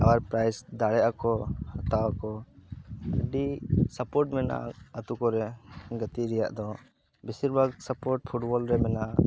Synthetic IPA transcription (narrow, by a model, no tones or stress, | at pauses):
awaɾpɾajsd̪aɽɛjakɔhat̪awakɔ | ə̰ɖisəpɔɾʈmɛnʔa̰ət̪ukɔɾɛɡət̪iɾɛja̰ʔd̪ɔ | bisiɾbʱaɡsəpɔɾʈ̚pʰuʈbɔlɾɛmɛna